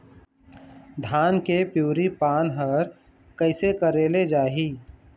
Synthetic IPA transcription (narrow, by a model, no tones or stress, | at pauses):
d̪ʱaːnkepjuːɾipaːnɦəɾ | kəɪsekəɾeːled͡ʒaːɦiː